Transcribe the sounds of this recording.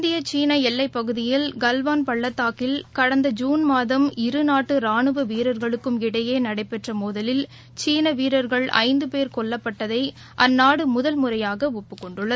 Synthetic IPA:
ɪnd̪ɪjɐt͡ʃiːnɐɛlːɐɪpːɐɣɯðɪjɪlɡɐlʋaːnpɐɭːɐt̪ːaːkɪlkɐɽɐnd̪ɐd͡ʒuːnmaːðɐmɪɾɯnaːʈːɯɾaːɳɯʋɐʋiːɾɐɾɣɐɭɯkːɯmɪɽɐjeːnɐɽɐɪpːɛʈrɐmoːðɐlɪl | t͡ʃiːnɐʋiːɾɐɾɣɐɭɐ̰ɪnd̪ɯpeːɾkɔɭːɐpːɐʈːɐðɐɪ | ʔɐnːaːɽɯmʊðɐlmʊrɐjaːɣɐʊpːɯkːɔɳɖɯɭːɐð

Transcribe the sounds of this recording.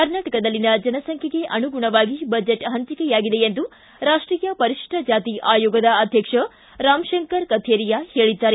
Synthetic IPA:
kɐɾnaːʈɐkɐd̪ɐlːinɐd͡ʒɐnɐsɐŋkʰɐɡe̞ʔɐnuɡuɳɐʋaːɡibɐd͡ʒeʈɦɐɲt͡ʃikɛjaːɡid̪e̞jend̪u | ɾaːʂʈɾiːjɐpɐɾiʂʈɐd͡ʒaːt̪iʔaːjoːɡɐd̪ɐɐd̪ʱjɐkʂɐ | ɾaːmʃɐŋkɐɾkɐt̪ʰeːɾijahe̞ːɭid̪ːaːɾe

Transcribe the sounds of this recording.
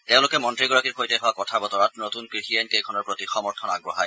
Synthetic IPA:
teʊ̃lʊkɛmɔntɹiɡɔɹakiɹxʰojtɛɦɔwakɔtʰabɔtɔɹatnotunkɹixienkejkʰɔnɔɹpɹotixɔmɔɹtʰɔnaɡ̚bɹɔɦaj

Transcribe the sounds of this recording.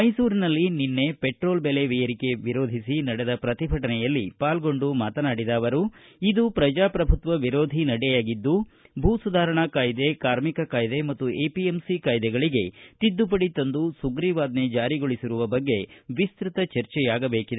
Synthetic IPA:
mɐjsuːɾinɐlːininːe̞peʈɾo̞ːlbele̞ʋɛjɐɾike̞ʋiɾoːd̪ʱisinɐɽed̪ɐpɾɐt̪ibʱɐʈɐnɛjɐlːipaːlɡo̞ɳɖumaːt̪ɐnaːɽid̪aːʋɐɾuid̪upɾɐd͡ʒaːpɾɐbʱut̪ʋɐʋiɾo̞ːd̪ʱinɐɽɛjaːɡid̪ːubʱuːsud̪ʱaːɾɐɳɐkaːjd̪e̞kaːɾmikɐkaːjd̪e̞mɐt̪ːueːpiemsikaːjd̪ɛɡɐɭiɡe̞t̪id̪ːup̬ɐɽit̪ɐnd̪usuɡɾiːʋaːd̪ne̞d͡ʒaːɾiɡoɭisiɾuʋɐbɐɡːe̞ʋist̪ɾit̪ɐt͡ʃɐɾt͡ʃɛjaːɡɐbe̞ːkid̪e

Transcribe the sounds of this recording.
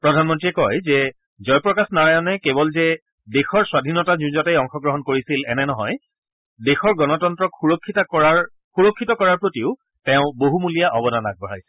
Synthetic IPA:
pɹɔdʱanmɔntɹiɛkɔjzɛ | zɔjpɹɔkasnaɹajɔnɛkebɔlzɛ | dexɔɹswadʱinɔtazuzɔtejɔŋxɔɡɹɔɦɔnkoɹisilɛnɛnɔɦɔj | dexɔɹɡɔnɔtɔntɹɔkxuɹɔkʰːitaɔɹaɹ | xuɹɔkʰːitɔkɔɹaɹpɹotiʊ | tɛ̃ʊ̃boɦumulijaʔɔbɔnana̰k̚bɔɹajs

